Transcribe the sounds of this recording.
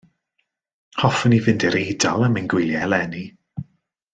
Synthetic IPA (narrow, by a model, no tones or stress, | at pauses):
hɔfənivɪndɪɾejdalˠamanɡwɪlˠjɛɛlɛni